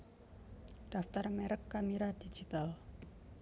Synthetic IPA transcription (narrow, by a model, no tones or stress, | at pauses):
d̥aft̪armɛɾəkːamiɾad̥i̥d͡ʒit̪al